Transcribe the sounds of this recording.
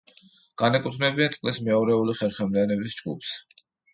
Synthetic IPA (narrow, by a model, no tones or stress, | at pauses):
ɡ̥anɛkʼut̪ʰnɛbiansʼqʼlismɛɔɾɛuliχɛɾχɛmlianɛbisd͡ʒɡṵpʰs